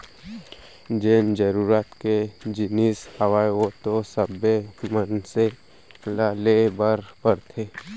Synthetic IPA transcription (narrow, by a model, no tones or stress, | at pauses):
d͡ʒeːnd͡ʒəɾuɾat̪ked͡ʒɪnishawajot̪osəbemənse | lalebaɾpəɾt̪ʰeː